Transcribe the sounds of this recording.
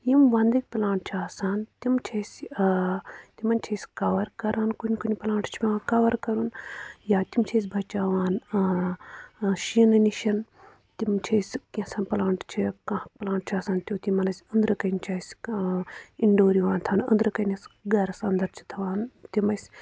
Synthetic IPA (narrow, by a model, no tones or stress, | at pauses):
jimʋɐnd̪ɐk̚ʲplãːɳʈ̚t͡ʃʰaːsaːnt̪imt͡ʃʰɐsʲ | t̪imɐnt͡ʃʰɐsʲkɐʋɐɾkɐɾaːnkunʲkunʲiplaːɳʈt͡ʃʰipʲːkɐʋɐɾkɐɾunjaːt̪imt͡ʃʰes̬ʲbʱɐt͡ʃaːʋaːn | ʃinɐniʃɐn | t̪imt͡ʃʰɐsʲkĩsɐnplaːɳʈt͡ʃʰikɐhplaːɳʈ̚t͡ʃʰaːsaːnt̪ʲoːt̪imɐnɐsʲɐnd̪ɾɨkɐnʲt͡ʃʰɐːsʲ | iɳɖoːɾiʋaːnt̪ʰɐnɐ̰nd̪ɾɨkɐnɐsɡɐɾɐsɐnd̪ɐɾt͡ʃʰi̥t̪ʰɐʋaːnt̪imɐsʲ